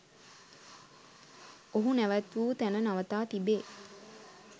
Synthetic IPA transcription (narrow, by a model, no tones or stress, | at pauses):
oɦunæʋæt̪ʋuːt̪ænənaʋət̪aːt̪ibeː